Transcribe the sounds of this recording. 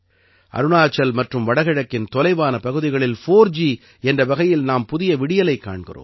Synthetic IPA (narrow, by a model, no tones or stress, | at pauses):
ʔɐ̰ɾɯnaːt͡ʃːɐlmɐʈrɯmʋɐɽɐɣɪɻɐkːɪnt̪ɔlɐɪʋaːnɐpɐɣɯðɪɣɐɭɪlfoːɾd͡ʒi | ɛndrɐʋɐɣɐjɪlnaːmpʊðɪjɐʋɪɽɪjɐlɐɪkːa̰ːɳɣɪ̰ro̰ːm